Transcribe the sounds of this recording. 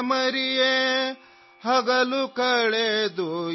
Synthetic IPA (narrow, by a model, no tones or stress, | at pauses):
mɐɾije | hɐɡɐlukɐɭed̪u